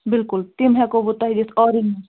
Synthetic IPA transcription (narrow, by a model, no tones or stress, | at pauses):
bɪlkʊlt̪ɪmɦɛkobot̪aɦid͡ʒɪsɔːɾɪni